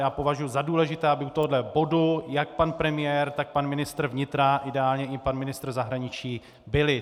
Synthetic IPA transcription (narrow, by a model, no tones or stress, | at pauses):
jaːpo̞vaʒujuzaduːlɛʒɪt̪ɛːabɪut̪oɦodlɛbo̞dujak̚panpɾɛmɪjɛɾt̪ak̚panmɪnɪst̪r̩vɲɪt̪ɾaʔɪdɛaːlɲɛʔɪpanmɪnɪst̪r̩zaɦɾaɲɪt͡ʃiː | bɪlɪ